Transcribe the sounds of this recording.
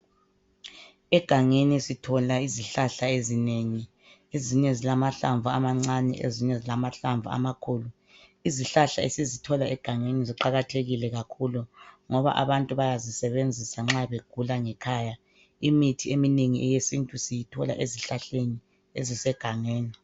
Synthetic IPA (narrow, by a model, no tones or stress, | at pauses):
ɛɡ̥ʱaŋenisitʰɔlaiziɬaɬaezineŋi | eziɲɛzilamaɬaɱvʱuamaŋ͡ǀanɛ̰ʔḛziɲɛzilamaɬaɱvʱṵa̰makʰuːlu | iziɬaɬaḛsizitʰɔlaʔɛɡ̥ʱaŋeniziǃaɣatʰeɣilɛɣakʰuluŋɔβa̰ʔa̰βantʼuβajazisɛβend͡zʱisaŋ͡ǁaβeɡ̥ʱulaŋɛkʰaːja | imitʰiemineŋiʔɛjesintʼusijitʰɔla̰ʔeziɬaɬeni | ezisɛɡ̥ʱaŋeːni